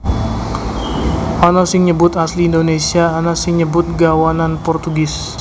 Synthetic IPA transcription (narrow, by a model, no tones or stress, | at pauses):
ʔanasɪŋɲəbʊt̪asliːndonesiaːnasɪŋɲəbʊt̪̚ɡawananpɔrt̪uɡɪs